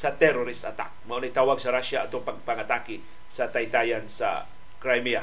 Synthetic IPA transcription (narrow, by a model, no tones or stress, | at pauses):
sat̪ɛɾoɾɪsat̪a̰k̚maʔonajt̪awaɡsaɾaʃaːt̪ʊpaɡ̚paŋat̪akɪ | sat̪ajt̪ajansa̰ | kɾajmia